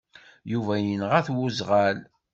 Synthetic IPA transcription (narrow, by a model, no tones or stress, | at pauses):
juvæjənʁæθwuzʁæl